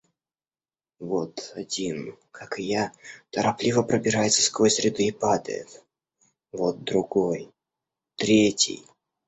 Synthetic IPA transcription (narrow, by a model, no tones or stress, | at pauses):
vot̪adʲin | kʰakɨjat̪əɾaplʲivəpɾəbʲɪɾajɪt̪sə̥skojsʲɾʲɪd̪ɨːpad̪ə̰jɪ̰t̪ | vo̞t̪̚d̪ɾʊɡo̞j | t̪ɾʲetʲɪ̰j